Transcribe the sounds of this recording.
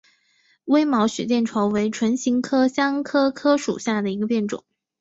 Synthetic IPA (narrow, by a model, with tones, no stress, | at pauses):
we˥ɪmɑ˧˥ʊɕɥɛ̰˨˩t͡ɕjɛ˥˩nʈ͡ʂʰwɑ˧˥ʊwe˧˥ɪʈ͡ʂʰwə˧˥nɕi˧˥ŋkʰɤ˥ɕjɑ˥ŋkʰɤ˥kʰɤ˥ʂṵ˨˩ɕja˥˩d̪ə˩i˧˥ɡə˧pjɛ˥˩nʈ͡ʂʊ̰˨˩˦ŋ